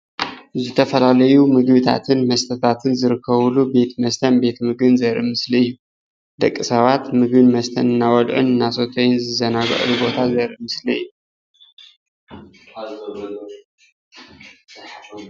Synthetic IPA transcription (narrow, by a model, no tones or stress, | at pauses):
zɨt̪ʰɐfɐlalɐjumɨɡβɨt̪ʰa̰t̪ʰɨnmɐst̪ʰɐt̪ʰat̪ʰɨnzɨɾɨkʰːɐβulube̞t̪mɐst̪ʰɐnbe̞t̪mɨɡɨnzɐɾimɨsliɨjːu | d̪ɐkʼːisɐβat̪mɨɡɨnmɐst̪ʰɐnɨnːawɔd̪ʕṵnɨnːaso̞t̪ʰojnzɨzɐnaɡɐ̰ʔlubo̞t̪ʰazɐɾɨmɨsliɨ̰jːu